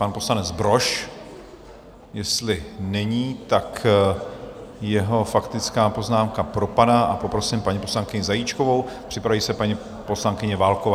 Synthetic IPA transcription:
panpo̞slanɛd͡zbɾo̞ʃ | jɛst̪lɪnɛɲiːt̪ak | jɛɦo̞fakt̪ɪt͡skaːpo̞znaːmkapɾo̞padaʔapo̞pɾo̞sɪmpaɲipo̞slaŋkɪɲɪzajiːt͡ʃko̞vo̞w | pr̥ɪpɾaviːsɛpaɲi | po̞slaŋkɪɲɛvaːlkova

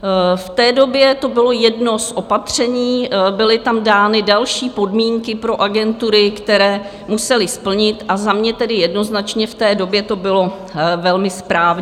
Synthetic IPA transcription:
ft̪ɛːdo̞bjɛt̪o̞bɪlo̞jɛdnosʔo̞pat̪r̝̥ɛɲiːbɪlɪt̪amdaːnɪdalʃiːpo̞dmiːŋkɪpɾo̞ʔaɡɛnt̪uɾɪkt̪ɛɾɛː | musɛlɪspl̩ɲɪt̪ʔazamɲɛt̪ɛdɪjɛdno̞znat͡ʃɲɛft̪ɛːdo̞bjɛt̪o̞bɪlo̞ | vɛlmɪspɾaːvɲ

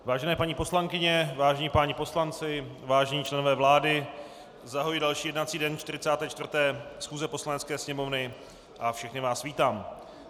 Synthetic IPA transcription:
vaːʒɛnɛːpaɲiːpo̞slaŋkɪɲɛvaːʒɛɲiːpaːɲɛpo̞slant͡sɪvaːʒɛɲiːt͡ʃlɛno̞vɛːvlaːdɪ | zaɦojdalʃiːjɛdnat͡siːdɛnt͡ʃt̪ɪɾɪt͡saːt̪ɛːt͡ʃt̪vrt̪ɛːsxuːzɛpo̞slanɛt͡skɛːsɲɛmo̞vnɪ | ʔafʃɛxnɪvaːsviːt̪aːm

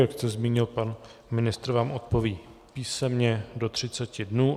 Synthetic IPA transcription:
jakst̪ɛzmiːɲɪlpanmɪnɪst̪ɾvaːmʔot̪po̞viːpiːsɛmɲɛdo̞t̪r̝̥ɪt͡sɛcɪdnuː

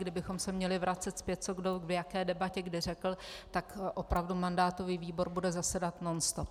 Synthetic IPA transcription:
ɡdɪbɪxo̞msɛmɲɛlɪvɾʔat͡sɛt̪spjɛt̪̚t͡so̞ɡdovjakɛːdɛbacɛɡdɪr̝ɛkl̩t̪akʔo̞pɾavdumandaːt̪o̞viːviːbo̞ɾbudɛzasɛdat̪nonst̪op

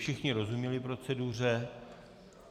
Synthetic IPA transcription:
ʃɪxɲɪɾo̞zumɲɛlɪpɾo̞t͡sɛdur̝ɛ

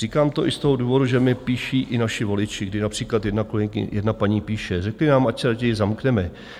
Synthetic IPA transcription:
r̥iːkaːmt̪o̞ʔɪst̪o̞ɦoduːvo̞duʒɛmɪpiːʃiːʔɪnaʃɪvo̞lɪt͡ʃɪɡdɪnapr̝̥iːklat̪jɛdnakolɛŋkɪ̰jɛdnapaɲiːpiːʃɛrɛklɪnaːmacsɛɾaɟɛjzamknɛmɛ

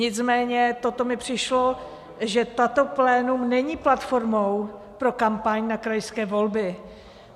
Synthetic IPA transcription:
ɲɪt͡smɛːɲɛt̪o̞t̪o̞mɪpr̝̥ɪʃlo̞ | ʒɛt̪at̪o̞plɛːnumnɛɲiːplat̪fo̞ɾmow | pɾo̞kampaɲnakɾajskɛːvo̞lbɪ

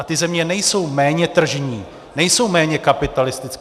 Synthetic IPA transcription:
at̪ɪzɛmɲɛnɛjso̞wmɛːɲɛt̪r̩ʒɲiː | nɛjso̞wmɛːɲɛkapɪt̪alɪst̪ɪt͡sk

